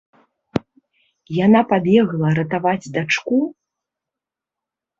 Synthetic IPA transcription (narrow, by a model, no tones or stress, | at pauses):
janapab̪ʲjɛɣlˠɐɾɐt̪avad͡zʲd̪at͡ʂku